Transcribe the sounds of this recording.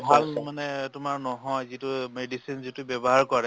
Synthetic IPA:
bʱalmanɛtʊmaɹnɔɦɔjzitʊmedisinzitʊbjɛbɔɦaɹkɔɹɛ

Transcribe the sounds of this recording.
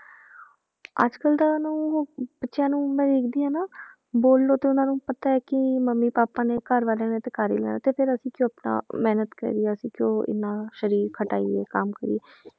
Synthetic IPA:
ə̰d͡ʒkəld̪aːnũːoːb̥ətːʃjãːnũːmɛ̃ːɾeːkd̪iːãːnaː | boːlːoːt̪eːʊnãːnũːpət̪aːɛːkɪməmːiːpaːpãːneːkəɾʋaːlãːneːt̪ekaːɾḭːlɛ̰ːnaːt̪eːpʰɪɾəsĩːkjõːapna̰ːmɛːnət̪kə̰ɾiːɛːəsĩːkjõːɪ̰nːãːʃəɾiːɾkʰəʈa̰ːḭːḛːkəmkəɾḭeː

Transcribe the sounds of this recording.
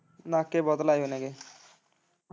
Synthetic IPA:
nakːebɔd̪lajonɛɡe

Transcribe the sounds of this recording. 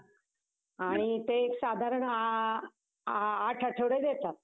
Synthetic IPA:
aɽ̃it̪eːksad̪ʱaɾəɳa | ʈʰəʈʰəʋɽejd̪et̪at̪̚

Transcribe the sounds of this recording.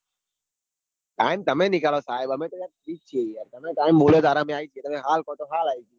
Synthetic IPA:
ʈaːɪmt̪əmẽːnɪkaːloːsaːɪbəmẽːt̪oːaːɾiːk̚t͡ʃʰieiaːɾt̪əmẽːʈaːɪmboːloːd̪aːɾãːmẽaːiːt͡ʃʰieːt̪əmẽːɦaːlkõːʈoːɦaːlaːiːt͡ʃʰiː

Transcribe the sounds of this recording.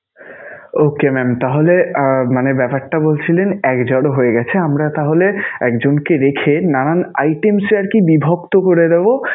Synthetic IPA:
okemɛmt̪aɦolemanebɛpaʈʈːabolt͡ɕʰilenɛkd͡ʑɔɽɦoeɡɛt͡ɕʰeamɾat̪aɦoleɛ̰kd͡ʑonkeɾekʰenanana̰jʈemsaɾkibibʱokt̪okoɾed̪ebo

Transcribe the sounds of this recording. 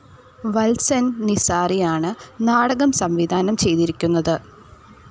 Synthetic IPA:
ʋɐlsɐnnisaːrijaːɳɨnaːɽɐɣɐmsɐmʋid̪ʱaːnɐmt͡ɕe̞jt̪iɾikʲːunːɐðɨ

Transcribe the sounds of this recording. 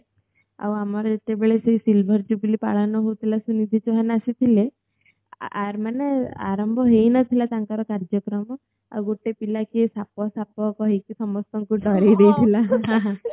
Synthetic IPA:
a̰wamɔɾet̪ebeɭesejsilbʱɔɾd͡ʒubilipa̰ɭanɔɦowt̪ʰilasunid̪ʱit͡ʃuɦanasit̪ʰile | a̰ɾmanea̰ɾɔmbʱɔɦejnɔt̪ʰilat̪aŋkɔɾɔkaɾd͡ʒɔkɾɔmɔ | a̰wɡoʈepilakisapɔsapɔkɔɦikisɔmɔst̪ɔŋkuʈɔɾejd̪ejt̪ʰilaɦɦ

